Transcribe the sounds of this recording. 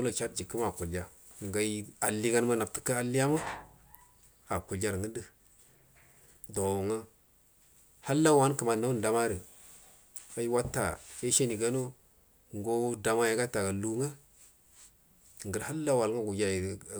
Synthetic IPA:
o˦la˦˨t͡ʃa˦t̚d͡ʒi˨kːə˦m˦a˨ku˨ld͡ʒa˦˨ | ŋ˨ɡa˨i˦a˨lːi˦ɡa˦nma˦na˨tə̥˨ka˦a˨li˦ja˦ma˦ | a˨ku˨ld͡ʒa˦ɾŋə˦ndə˦ | do˨wu˨ŋa˦ | ha˦lːa˦wa˦n˦kə˨ma˨na˦n˨da˨ma˦ɾə˨ | a˨˦ji˦wa˦tːa̰˨e˦ʃe˦ni˨ɡa˦no˦ | ŋɡo˦da˨ma˦ja˨ɡa˦ta˨ɡa˨lu˦ŋa˦˨ | ŋ˨ɡə˨ɾha˦lːa˦wa˨lŋa˦ɡu˨ja˨j

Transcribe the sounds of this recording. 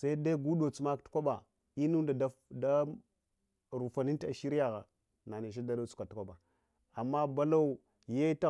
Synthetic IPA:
sa˦i˦da˦ɡu˦ɗo˨t͡su˨ma˦ktkʷa˦ɓa˨ | i˦nu˦da˨da˦da˦ | ɾu˨fa˨ni˦n˦a˨ʃi˦ɾi˦ja˨ɣa̰˨ | na˨ne˨ʃ̬a˦da˦da˦t͡su̥˦ka˨tu˦kʷa˦ɓa˨ | a˨mːa˦ba˦la˦u˨ | je˦ta˦

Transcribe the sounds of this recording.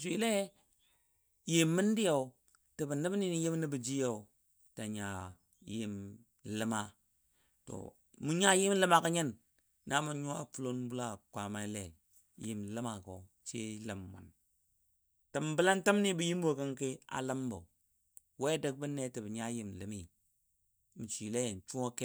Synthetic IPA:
sʷi˨le˦ | je˨mːi˦n˦di˦ja˨u˨ | ti˨bə˨nə˦bni˦ni˦ji˦m˦ni˦bə˨d͡ʒi˦ja˦˨u˨ | ta˨ɲa˨ | je˦m | lə˦ma˦ | to̰˨ | mu˨˦ɲa˦ji˦m˦lə˦ma˨ka˦ɲe˦nː | a˦mu˨ɲu˦a˨fu˦lo˦nbu˦la˦˨kʷa˨ma˦i˦lḛ˨ | ji˦m˨lə˦ma˨ko̰˨˦ | t͡ʃḛ˦lə˨mːa̰˨n | tə˨mbə˦la˦ntə˦m˦ni˦bə˨ji˦m˦bo˨kə˦ŋke˦a̰˨lə˦mbo̰˨ | we˦də˦k̚bə˦ne˦tɨ˨bə˨ɲa˦ji˦m˨lə˨mi˦˨ | mi˨t͡ʃi˨le˦je˨n˨t͡ʃu˦o˦ke˦

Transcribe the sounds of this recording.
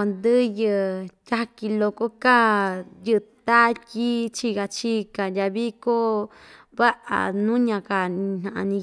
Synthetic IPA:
o˧nd̪ɨ˦jɨ˧tʲa˦ki˧lo˧ko˦ka˦jɨ˧ʔt̪a˦ti˦t͡ʃi˧ɣa˧t͡ʃi˦˧ka˧˨jʲa˧βi˦ko˦ | βa˦ʔa̰˨nũ˦ɲã˧ka˧n̥ã˧ʔã̰˧nĩ˧

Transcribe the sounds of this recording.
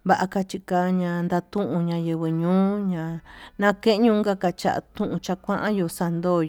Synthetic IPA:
βa˨ʔa˧ka˧t͡ʃi˧ka˧ɲã˧nd̪a˧t̪ũ˦ʔũ˧ɲã˧jɨ˧βɨ˧ɲũː˦ɲã˧nã˦kẽ˦ʔɲũː˧ŋɡa˦ka˧t͡ʃa̰˧ʔa̰˧t̪ũ˦ʔũ˧t͡ʃa˧kʷã˦ʔã˦jo˧sa˧nd̪oː˦˨

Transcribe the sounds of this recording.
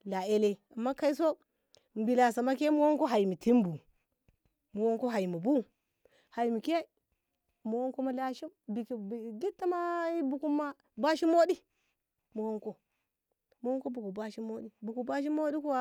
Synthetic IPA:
la˨e˦le˦a˨mːa˦ka˦i˦s̬o˦ | m̩˨bi˨la˨sa˨ma˦ke˦mu˦wo˦ŋko˦ɦa˨i˨mi˨ti˦m˦bu˨ | mo˨wo˦ŋko˦ɦa˨i˨mu˨bu˦ | ha˨i˨mi˨ke˦ | mo˨wo˦ŋko˦ma˦la˨ʃi˦mbi˨ki˨ɡi˦tːa˦ma˦i˦bu˨ku˦mːa˦ | ba˦ʃi˦mo˦ɗi˦ | mo˨wo˦ŋko˦ | mo˨wo˦ko˦bu˨ku˨ba˦ʃi˦mo˦ɗi˦bu˨ku˨ba˦ʃ̬i˦mo˦ɗi˦ko˦wa˦

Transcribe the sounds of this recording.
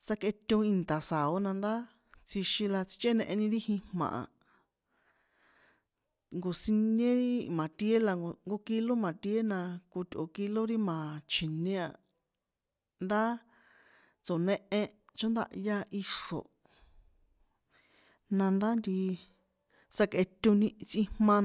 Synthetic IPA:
t͡sa˦ke˧t̪ʲõ˧i˧nt̪a˨sa˨o˦nã˧nd̪a˦ | t͡si˧ʃĩ˧la˧t͡si̥˧t͡ʃe˦nẽ˧ʔẽ˧nĩ˧ɾi˦hĩ˧hmã̰˨ʔã̰˨ | ŋɡo˨si˧nẽ˦ɾi˦mã˨t̪i˧˦e˦la˧ŋɡo˧ŋɡo˧ki˧lo˦mã˨t̪i˧e˦nã˧ku˧t̪ʲo̰˨ki˧lo˦ɾi˦mã˨t͡ʃʰi˨nẽ˦a˨ | nd̪a˦ | t͡so˨nẽ˧ʔẽ˧t͡ʃõ˦nd̪a̰˧ʔja˧ʔi˧ʂo̰˨ | nã˧nd̪a˦nd̪i˧ | sa˧ke˧t̪ʲo˧nĩ˧t͡sʔĩ˧mmã˧

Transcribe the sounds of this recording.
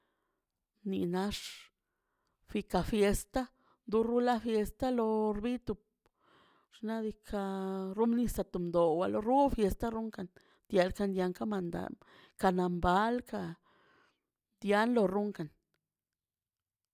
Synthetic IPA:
nḭ˧na˧ʂ | fi˧ka˨fje˧st̪a˦ | nd̪u˧ɾu˦la˦fje˧st̪a˦lo˧ɾbi˦t̪u˧p̚ | ʂna˦d̪i˧kʰa˧ɾu˦mni˧sa˧t̪u˨md̪o˨wa˧lo˧ɾu˦fje˧st̪a˦ɾu˦ŋka˨n | d̪̥ja˧lka˧nd̪ja˧ŋka˦ma˧nd̪a̰˨ | ka˧na˨mba˦lka˧ | d̪ja˦nlo˧ɾu˦ŋka˨n

